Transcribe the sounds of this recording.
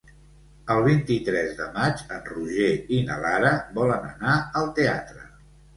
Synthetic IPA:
əlˠβ̞int̪it̪ɾɛzðəmat͡ʃənruʒeinə̰laɾəbɔlənə̰naəlˠt̪eat̪ɾə

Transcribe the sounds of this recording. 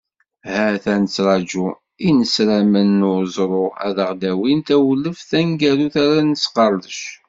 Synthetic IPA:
hæθænət͡sːɾˤɑd͡ʒu | inəsɾæmənːʊzˤɾˤʊæ̰ðəʁd̪æwint̪æwləfθæŋɡæɾuθæɾænət͡sːqɑɾˤðəʃ

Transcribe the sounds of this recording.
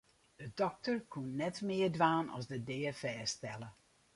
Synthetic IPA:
d̥ədɔk̚tərkʰunːɛtmɪərdʋaːnɔ̰sdədɪːəfɛːstɛlˠə

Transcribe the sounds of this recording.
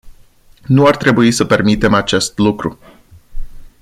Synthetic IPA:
nuart̪ɾe̞buisəpe̞rmit̪e̞mat͡ʃe̞st̪lukɾu

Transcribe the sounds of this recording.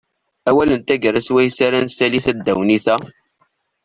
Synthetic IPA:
æwælənt̪æɡəɾæswæjsæɾænsæliθæd̪ːæwniθæ

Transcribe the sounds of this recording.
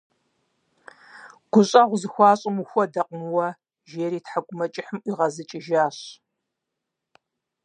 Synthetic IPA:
ɡ̥ʷʊɕʼɐʁʷʊzɨxʷɑːɕʼɪmuxʷɔdɐqʼmɨwɐ | ʒeːɾiːtħaɡʷʊmɐt͡ʃʼɪħəmʔiʁɐzɨt͡ʃʼɪʒaːɕ

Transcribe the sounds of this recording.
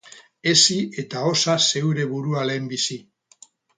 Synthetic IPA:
e̞sie̞t̪ao̞sase̞wɾe̞βuɾuale̞ːmbisi

